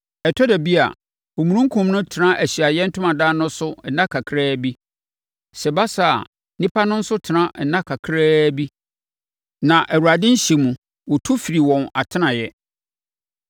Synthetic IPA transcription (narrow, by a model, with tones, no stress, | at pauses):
ɛ˨tʰɔ˦dɛ˨bi˦a̰˨ | ɔ˨mũ˨ɾũ˦ŋ˦kʰũ˨mnʊ̃˦tʰɪ˨nã˦ʔæ˨ɕi˨a˨jɛ˦n̩˦tʰʊ˦ã˨daː˦nʊ̃˦sʊ˦n̩˨nã˦kʰa˨kʰɾɛː˦bi˦ | sɛ˨ba˦sa˨a̰˨ | nĩ˦pʰa˦nʊ̃˦n̩˦sʊ˦tʰɪ˨nã˦n̩˨nã˦kʰa˨kʰɾɛː˦bi˦ | nã˨ʔɛ˨wu˨ɾa˨dɪ̃˦n̩˦ɕe˨mũ˨ | wɔ˨tʰu˦fi˨ɾi˨wɔ̃˨na˨tʰɪ˦nã˨jɛ˦